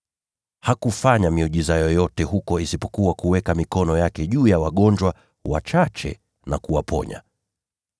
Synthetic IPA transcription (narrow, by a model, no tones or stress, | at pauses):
hakufaɲamiɔʄizajɔjɔtɛhukɔisipɔ̥kuwakuwɛkamikɔnɔjakɛʄuːjawaɠɔɲd͡ʒwa | wa̰t͡ʃat͡ʃɛ̰ | nakuwapʰɔ̰ɲa̰